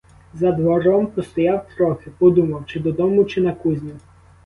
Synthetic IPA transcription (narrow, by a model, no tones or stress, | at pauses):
zɐd̪ʋɔɾɔmpɔst̪ɔjawt̪ɾɔxɪpɔd̪umɐwt͡ʃɪd̪ɔd̪ɔmʊt͡ʃɪnɐkuzʲnʲʊ